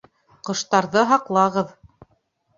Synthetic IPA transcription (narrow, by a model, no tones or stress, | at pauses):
qɤ̆ʃt̪ɑɾðɤɦɑqlˠɑʁɤð